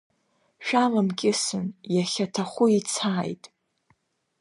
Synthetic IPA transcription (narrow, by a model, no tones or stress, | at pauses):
ʃᶣalamkʲʼɪsɨ̰njaχʲatʰaχʷʊit͡sʰaːjtʼ